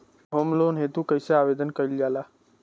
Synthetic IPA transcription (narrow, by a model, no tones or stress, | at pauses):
ɦoːmloːnɦet̪ukəjseaːʋeːd̪ənkəild͡ʒaːlaː